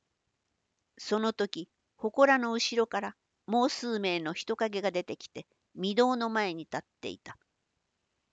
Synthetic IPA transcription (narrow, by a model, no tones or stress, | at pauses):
so̞no̞t̪o̞kʲi | ho̞ko̞ɾano̞ɯ̟ɕiɾo̞kaɾa | mo̞ːsɨːme̞ːno̞çi̥t̪o̞kaɡe̞ɡad̪e̞t̪e̞kʲi̥t̪e̞ | mʲid̪o̞ːno̞mae̞ɲ̟it̪at̪ːe̞̰ḭt̪ḁ